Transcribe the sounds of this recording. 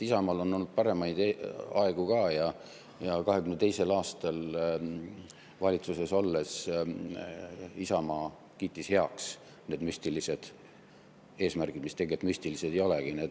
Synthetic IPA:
isɑmɑːlo̞nːo̞lːud̪̥̚pɑɾe̞mɑjd̪eɑe̞ɡ̥ukɑːjɑ | jɑkɑɦekymnd̪et̪e̞jse̞lɑːst̪ɑl | vɑlʲit̪suseso̞lːe̞s | isɑmɑː | kiːt̪ːˑishe̞ɑks | ne̞ːd̪mysʲt̪ilise̞d̪̥ | e̞ːsmærɡ̥id̪̥mist̪e̞ɡiet̪mysʲt̪ilise̞d̪ejo̞leɡ̥ine̞ːd̪

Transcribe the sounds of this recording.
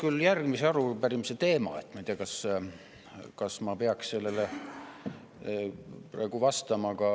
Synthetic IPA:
kyljærɡmiseɑɾupæɾimset̪e̞ːmɑ̰et̪ːˑmɑijt̪iːɑkɑs | kɑsmɑpeɑksse̞lːe̞le | prɑ̰eɡ̥uvɑst̪ɑmɑkɑ

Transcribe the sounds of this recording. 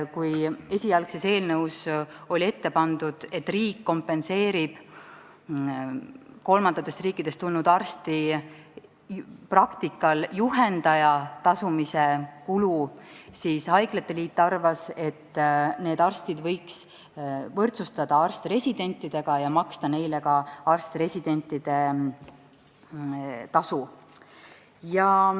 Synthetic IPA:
kuje̞sʲiɑlkse̞se̞ːlnɤwso̞lʲie̞t̪ːe̞pɑnd̪̥ud̪̥e̞t̪ːriːkːo̞mpːe̞nse̞ːɾib̥ | ko̞lmɑnd̪̥ɑt̪ːˑest̪riːkːˑid̪̥e̞st̪ulnud̪̥ɑrst̪i | prɑkt̪ikːˑɑljuɦe̞nd̪ɑjɑt̪ɑsumise̞kulusiːshɑjɡlet̪ːeliːt̪ˑːɑrvɑse̞t̪ːˑne̞ːd̪ɑrst̪id̪̥vɤ̞jks | vɤrt̪sust̪ɑd̪̥ɑɑrst̪re̞sʲid̪e̞nʲt̪ːˑid̪̥e̞ɡ̥ɑjɑmɑkst̪ɑne̞jle̞ɡɑɑrst̪re̞sʲid̪̥e̞nʲt̪ːˑid̪̥e̞ | t̪ɑsu | jɑ

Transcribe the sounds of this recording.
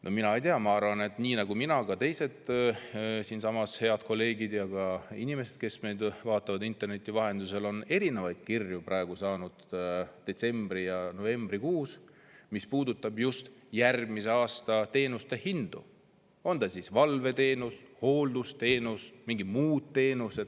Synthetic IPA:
nʔo̞minɑe̞jt̪eɑmɑɑrvɑne̞t̪ˑniːnɑɡ̥uminɑkɑt̪e̞jse̞t̪ˑ | siːnsɑmɑshe̞ɑd̪̥̚ko̞lːe̞ːɡid̪jɑkɑḭnime̞sed̪̥̚ke̞smejd̪vɑːt̪ːˑɑvɑd̪int̪ːˑe̞rne̞t̪ʲːˑivɑɦe̞nd̪use̞lo̞ne̞ɾine̞vɑjd̪̥kirjuprɑe̞ɡ̥usɑːnud̪̥d̪̥e̞t̪se̞mb̥rijɑno̞ve̞mbrikuːs | mispuːd̪ut̪ːˑɑbjust̪jærɡmise̞ɑːst̪ɑt̪e̞ːnust̪e̞hind̪̥u | o̞nd̪ɑsisvɑlve̞t̪e̞ːnusho̞ːld̪ust̪e̞ːnusmiŋɡimuːd̪̥̚t̪ːe̞ːnuse̞d̪̥

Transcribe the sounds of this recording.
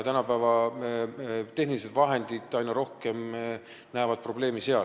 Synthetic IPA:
t̪ænɑpæːvɑ | t̪e̞ɦnilise̞d̪̥vɑɦe̞nd̪̥id̪̥ɑjnɑɾo̞hkem | næːvɑd̪̥̚pro̞ble̞ːmise̞ɑl

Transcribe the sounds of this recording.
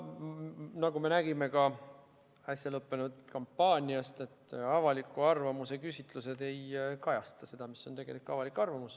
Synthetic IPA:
nɑɡume̞næɡ̥ime̞kɑ | æsʲjɑlɤpːe̞nud̪kɑmpːɑːnʲiɑst̪e̞t̪ːˑɑvɑlikːˑuɑrvɑmuse̞kysʲit̪ˑluse̞d̪e̞jkɑjɑst̪ɑse̞d̪̥ɑmisːo̞nt̪e̞ɡ̥e̞likːˑɑvɑlikːɑrvɑmus

